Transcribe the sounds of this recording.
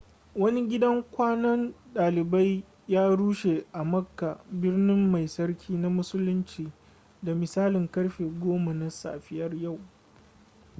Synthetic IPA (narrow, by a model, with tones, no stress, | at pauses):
wɐ˦ni˦ɡʲɪ˦dɐ˦ŋkʷaː˦nɐ˦nɗaː˨lɪ˨ba˦j | jaː˦ɽuː˦ʃe˨ʔa˨mɐ˦kːa˨bɪ˦rnɪ˦mːa˨jsɐ˦rkʲʰiː˦na˦mʊ˦sʊ˦lʊ˦nt͡ʃiː˨ | da˨mɪ˨saː˦lɪ˨ŋkɐ˦ɽɸeː˨ɡʷoː˦ma˨na˦sa̰ː˨ɸɪ˦jɐ˦rja˦˨w